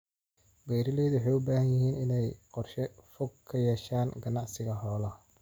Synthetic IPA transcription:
bɛjɾɪlɛːðwʊħɛjʊbaːhɐnjɪɦiːnɪnɛjqɔrʃɛfɔɡkʰɐjɛːʃaːnɡɐnɑʕsɪɣɐɦɔːlɐ

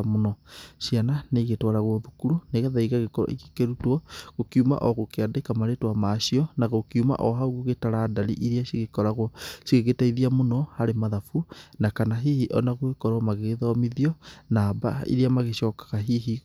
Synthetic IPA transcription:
amonɔʃiananeɣetwaɾaɣwɔðukuɾuneɣaðaiɣaɣekɔ̰ḭke̥keɾutwɔɣokiuma̰ʔɔɣokeadekamaɾetwamaʃiɔnaɣokiuma̰ʔɔɦauɣoɣetaɾaːdaɾḭʔiɾiaʃiɣekɔɾaɣwɔʃiɣeɣetaiðiamonɔhaɾemaðafunakanaɦihiʔɔnaɣwekɔɾwamaɣeðɔmiðiɔnaːba̰ḭɾiamaɣeʃɔkḁɣaɦiɦi

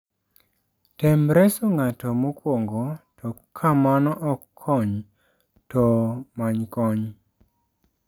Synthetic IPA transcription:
tɛmɾɛsoŋatɔmokwoŋɡotʰɔkʰːamanɔʔɔkʰːɔɲ | tɔmaɲkɔɲ

